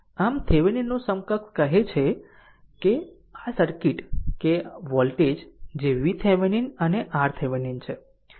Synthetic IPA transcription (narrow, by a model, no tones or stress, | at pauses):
amt̪ʰeʋəninːõsəmkəkkəɦet͡ʃʰe | ke | asəɾkiʈkeʋɔlʈed͡ʒd͡ʒeʋit̪ʰeʋəninəneʔaɾt̪ʰeʋənint͡ʃʰe